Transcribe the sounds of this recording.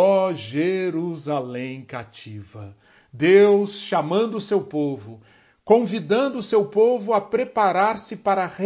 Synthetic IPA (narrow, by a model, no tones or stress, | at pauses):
ɔʒeɾuzalẽj̃kat͡ʃivɐ | d̪ewsʃamɐ̃nd̪ʊsewpovʊ | kõvid̪ɐ̃nd̪ʊːsewpovʊapɾepaɾaɾsɪpaɾɐhe